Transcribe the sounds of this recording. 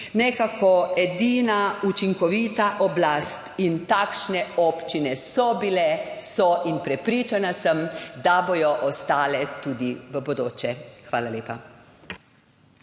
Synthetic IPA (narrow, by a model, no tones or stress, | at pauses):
nɛkakʰɔɛd̪iːnaut͡ʃiŋkɔʋit̪aʔɔblast̪int̪aːkʃnɛɔpt͡ʃinɛsɔbilɛsɔʔinpɾɛpɾiːt͡ʃanasəmd̪abojɔʔɔst̪aːlɛt̪uːd̪iʋəbɔd̪oːt͡ʃɛxʋaːlaleːpa